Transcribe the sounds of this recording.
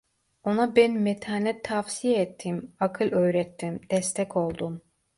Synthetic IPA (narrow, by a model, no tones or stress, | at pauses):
onabɛnmɛt̪ʰaːnɛt̪ʰafsijeɛt̪ʰːimakʰɯlʲˠø̞jɾɛt̪ʰːimd̪̥ɛst̪ʰɛkʰo̞lˠd̪um